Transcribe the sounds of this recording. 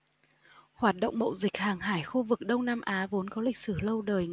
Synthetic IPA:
hwaː˨˩t̚ɗə̰˧˨ŋ͡mmə̰˧˨wzï˨˩k̟̚haː˨˩ŋɦaː˧˩jxu˧vɨ˨˩k̚ɗə˧wŋ͡mnaː˧mʔaː˨˦vo˨˦nkɔ˨˦lï˨˩k̟̚sɨ˧˩lə˧wɗəː˨˩j

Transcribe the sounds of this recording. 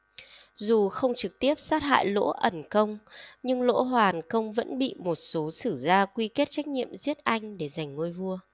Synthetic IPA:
zu˨˩xə˧wŋ͡mt͡ɕɨ˨˩k̚t̪i˦˥əp̚saː˦˥t̚ɦa̰ː˧˨jlo̰˧˥ʔə˧˩nkə˧wŋ͡mɲɨ˧ŋlo̰˧˥ɦwaː˨˩nkə˧wŋ͡mvə̰˧˥nɓḭ˧˨mo˨˩t̚so˨˦sɨ˧˩zaː˧kwi˧ke˦˥t̚t͡ɕa˦˥jk̟̚ɲḭ˧˨əmzi˦˥ət̚ʔa˧jŋ̟ɗe˧˩za˨˩jŋ̟ŋo˧jvu˧ə

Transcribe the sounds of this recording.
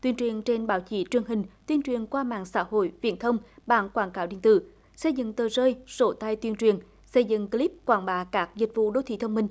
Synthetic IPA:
t̪wi˧ənt͡ɕwi˨˩ənt͡ɕe˧nɓaː˧˨˦wt͡ɕi˧˨˦t͡ɕwi˨˩əŋɦï˨˩ŋ̟t̪wi˧ənt͡ɕwi˨˩ənkwaː˧ma̰ː˧˨ŋsa̰ː˧˥ho̰˧˨jvḭ˧˨ənt̪ʰə˧wŋ͡mɓaː˧˦nkwaː˧˩nkaː˧˦wɗḭ˧˨ənt̪ɨ̰˧˨ | sə˧jzɨ̰˧˨ŋt̪əː˨˩zəː˧jzo˧˨˦t̪a˧jt̪wi˧ənt͡ɕwi˨˩ən | sə˧jzɨ̰˧˨ŋkli˦˥p̚kwaː˧˩nɓaː˧˩kaː˦˥k̚zï˨˩k̟̚vṵ˧˨ɗo˧˦t̪ʰḭ˧˩˦t̪ʰwŋ͡mmï˧ŋ̟

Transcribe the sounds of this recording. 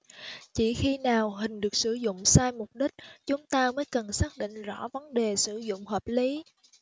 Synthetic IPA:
t͡ɕi˧˩xi˧naː˨˩wɦï˨˩ŋ̟ɗɨ˨˩ək̚sɨ˧˩zʊ̰˧˨ŋ͡msaː˧jmʊ˨˩k͡p̚ɗï˦˥k̟̚t͡ɕʊ˨˦ŋ͡mt̪aː˧məː˨˦jkə˨˩nsaː˦˥k̚ɗḭ̈˧˨ŋ̟zɔ̰˧˩˥və˨˦nɗe˨˩sɨ˧˩zʊ̰˧˨ŋ͡mɦəː˨˩p̚li˨˦

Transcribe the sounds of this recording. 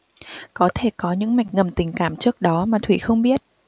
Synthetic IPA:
kɔ˨˦t̪ʰe˧˩kɔ˨˦ɲɨ̰˧˥ŋma˨˩jk̟̚ŋə˨˩mt̪ï˨˩ŋ̟kaː˧˩mt͡ɕɨ˦˥ək̚ɗɔ˨˦maː˨˩t̪ʰwḭ˧˨xə˧wŋ͡mɓi˦˥ət̚

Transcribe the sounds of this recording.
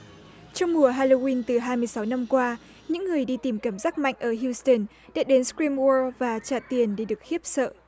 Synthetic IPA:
t͡ɕɔ˧wŋ͡mmu˨˩əɦaː˧lo˧wi˧nt̪ɨ˨˩ɦaː˧jmɨ˧əjsa˨˦wna˧mkwaː˧ | ɲɨ̰˧˥ŋːɨ˨˩əjɗi˧t̪i˨˩mkaː˧˩mzaː˦˥k̚ma̰˧˨jŋ̟ʔəː˧˩ɦju˧stə˧˩n | ɗa̰ː˧˥ɗe˨˦nskɹi˧mwɔ˧vaː˨˩t͡ɕaː˧˩t̪i˨˩ənɗe˧˩ɗɨ˨˩ək̚hi˦˥əp̚sə̰ː˧˨ʔ

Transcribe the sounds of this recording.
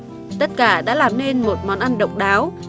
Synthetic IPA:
t̪ə˦˥t̚kaː˧˩ɗa̰ː˧˥laː˨˩mne˧nmo˨˩t̚mɔ˨˦nʔa˧nɗə̰˨wŋ͡mɗaː˨˦w

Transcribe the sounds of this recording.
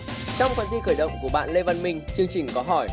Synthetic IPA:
t͡ɕɔ˧wŋ͡mkwaː˧nt̪i˧xəː˧˩jɗə̰˧˨wŋ͡mku˧˩əɓa̰ː˧˨nle˧va˧nmï˨˩ŋ̟t͡ɕɨ˧əŋt͡ɕï˨˩ŋ̟kɔ˨˦ɦɔ˧˩j

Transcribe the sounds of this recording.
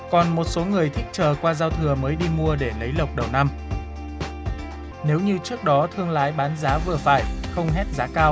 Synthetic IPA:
kɔ˨˩nmo˨˩t̚so˨˦ŋɨ˨˩əjt̪ʰï˦˥k̚t͡ɕəː˨˩kwaː˧zaː˧wt̪ʰɨ˨˩əməː˨˦jɗi˧mu˧əɗe˧˩lə˨˦jlə˨˩wk͡p̚ɗə˨˩wna˧m | ne˨˦wɲɨ˧t͡ɕɨ˦˥ək̚ɗɔ˨˦t̪ʰɨ˧əŋlaː˨˦jɓaː˨˦nzaː˨˦vɨ˨˩əfaː˧˩jxə˧wŋ͡mɦɛ˦˥t̚zaː˨˦kaː˧w

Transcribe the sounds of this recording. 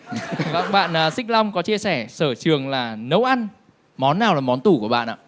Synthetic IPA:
va̰˧˨ŋ͡mɓa̰ː˧˨nʔəː˨˩sï˦˥k̟̚la˧wŋ͡mkɔ˨˦t͡ɕi˧əsɛ˧˩səː˧˩t͡ɕɨ˨˩əŋlaː˨˩nə˨˦wʔa˧n | mɔ˨˦nːaː˨˩wlaː˨˩mɔ˨˦nt̪u˧˩ku˧˩əɓa̰ː˧˨nʔa̰ː˧˨

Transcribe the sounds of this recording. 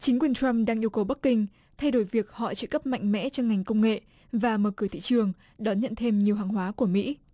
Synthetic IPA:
t͡ɕï˨˦ŋ̟kwi˨˩əntɹa˧mɗaː˧ŋʔi˧əwkə˨˩wɓa˦˥k̚kːï˧ŋ̟ | t̪ʰa˧jɗo˧˩jvi˨˩ək̚hɔ̰˧˨t͡ɕɨ̰˧˨kə˦˥p̚ma̰˧˨jŋ̟mɛ̰˧˥t͡ɕɔ˧ŋ͡mŋa˨˩jŋ̟kə˧wŋ͡mŋḛ˧˨ | vaː˨˩məː˨˩kɨ˧˩t̪ḭ˧˨t͡ɕɨ˨˩əŋ | ɗɔ˨˦nɲə̰˧˨nt̪ʰe˧mɲi˨˩əwɦaː˨˩ŋɦwaː˨˦ku˧˩əmḭ˧˥

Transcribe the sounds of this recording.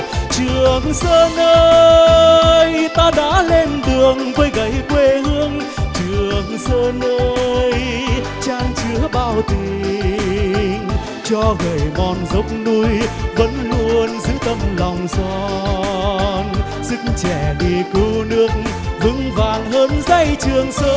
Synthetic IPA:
t͡ɕɨ˨˩əŋsəː˧nʔəː˧ | jt̪aː˧ɗa̰ː˧˥le˧mt̪ɨ˨˩əŋvəː˨˦jɣə˧˩jkwe˧hɨ˧əŋ | t͡ɕɨ˨˩əəŋsəː˧nə˧j | t͡ɕaː˧ŋt͡ɕɨ˨˦əɓaː˧˩wt̪i˧˩ | ŋ | t͡ɕɔ˧ɣə˨˩jmɔ˨˩nzə˨˦wk͡p̚nu˧jvə̰˧˦nlu˧ənzɨ̰˧˦t̪ə˧mlɔ˨˩wŋ͡mzɔ˧ | n | zɨ˧˥k̚ŋt͡ɕɛ˧˩ɗi˨˩kɨ˧˩nɨ˦˥ək̚ | vɨ̰˧˥ŋvaː˨˩nɦəː˧˥nza˧jt͡ɕɨ˨˩əŋsəː˧

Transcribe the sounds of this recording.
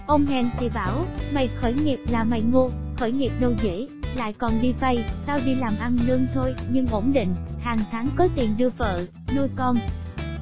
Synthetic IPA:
ʔə˧wŋ͡mɦɛ˧nt̪ʰi˨˩ɓaː˧˩wma˨˩j̚xəː˧˩jŋi˨˩əp̚laː˨˩ma˨˩jŋo˧xəː˧˩jŋi˨˩əp̚ɗə˨˩wzḭ˧˥la̰ː˧˨jkɔ˨˩nɗi˧fa˧jsaː˧wɗi˧laː˨˩mʔa˧nlɨ˧əŋt̪ʰo˧jɲɨ˧ŋʔo˧˥nɗḭ̈˧˨ŋ̟haː˨˩ŋt̪ʰaː˨˦ŋkɔ˨˦t̪i˨˩ənɗɨ˧əfə̰ː˧˨ | nu˧əjkɔ˧n

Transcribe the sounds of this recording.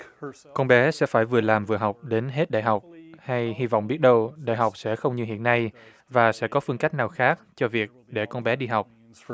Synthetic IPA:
kɔ˧nɓɛ˨˦sɛ̰˧˥faː˧˩jvɨ˨˩əlaː˨˩mvɨ˨˩əɦa˨˩wk͡p̚ɗe˨˦nɦe˦˥t̚ɗa̰ː˨jɦa˨˩wk͡p̚ha˧jhi˧vɔ̰˧˨wŋ͡mɓi˦˥ət̚ɗə˧wɗa̰ː˧˨jɦa˨˩wk͡p̚sɛ̰˧˥xə˧wŋ͡mɲɨ˧ɦḭ˧˨ənːa˧j | vaː˨˩sɛ̰˧˥kɔ˨˦fɨ˧əŋka˦˥k̚naː˨˩wxaː˦˥k̚t͡ɕɔ˧vi˨˩ək̚ɗe˧˩kɔ˧nɓɛ˨˦ɗi˧ɦa˨˩wk͡p̚

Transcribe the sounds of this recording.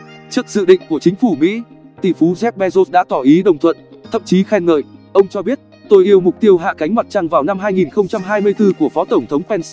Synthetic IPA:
t͡ɕɨ˦˥ək̚zɨ̰˧˨ɗḭ̈˧˨ŋ̟ku˧˩ət͡ɕï˨˦ŋ̟fu˧˩mḭ˧˥ | t̪ḭ˧˩fu˨˦zɛ˦˥p̚ɓɛ˧zo˦˥t̚ɗa̰ː˧˥t̪ɔ˧˩ʔi˨˦ɗə˨˩wŋ͡mt̪ʰwə̰˧˨nt̪ʰə̰˧˨mt͡ɕi˨˦xɛ˧nŋə̰ː˧˨jʔə˧wŋ͡mt͡ɕɔ˧ɓi˦˥ət̚ | t̪o˧jʔi˧əwmʊ˨˩k͡p̚t̪i˧əwɦa̰ː˧˨ka˨˦jŋ̟ma˨˩t̚t͡ɕa˧ŋvaː˨˩wna˧mɦaː˧jŋi˨˩nxə˧wŋ͡mt͡ɕa˧mɦaː˧jmɨ˧əjt̪ɨ˧ku˧˩əfɔ˨˦t̪ə˧˩wŋ͡mt̪ʰə˨˦wŋ͡mpɛ˧ns

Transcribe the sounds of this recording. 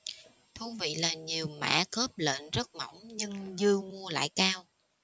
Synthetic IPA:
t̪ʰu˧˦vḭ˧˨laː˨˩ɲi˨˩əwma̰ː˧˥xəː˦˥p̚lə̰ː˧˨nzə˦˥t̚mɔ˧˩wŋ͡mɲɨ˧ŋzɨ˧əmu˧əla̰ː˧˨jkaː˧w

